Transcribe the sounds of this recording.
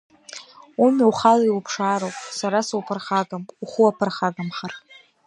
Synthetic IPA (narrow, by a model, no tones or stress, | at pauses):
umiwχalaiwupʰʂaːɾowpʼsaɾasupʰɨrχaɡamuχʷuapʰɨrχaɡamχartʼ